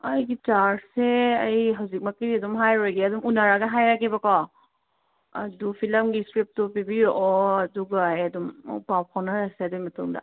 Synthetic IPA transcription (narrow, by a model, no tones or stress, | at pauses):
ɐjɡit͡ʃaɾseɐjɦawzik̚makidiɐdumɦajɾɔjɡiɐdumunaɾaɡaɦajɾakibakɔ | ɐ̰dupʰilɐmɡiskɾip̚tupibijuʔɔɐduɡajɐduma̰wpap̚kʰawnaɾaseɐdujmɐtuŋda̰